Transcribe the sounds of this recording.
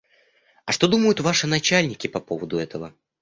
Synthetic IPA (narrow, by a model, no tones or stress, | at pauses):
ɐʂt̪o̞d̪uməjʊt̪vaʂɨnɐt͡ɕælʲnʲɪkʲɪpɐpovəd̪ʊɛt̪əvə